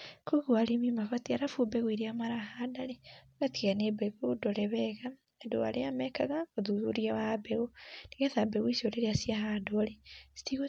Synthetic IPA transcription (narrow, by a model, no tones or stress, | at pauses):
koɣwaɾimimafatiaɾafubɛɣwiɾiamaɾahadaleaɣatiɣanebɛɣodoɾɛβɛɣa | endoa̰ɾeamɛkaɣakoðuðuɾiawabɛɣoneɣeðabɛɣwisoɾeɾeasiaɦadoɾesi̥tiɣo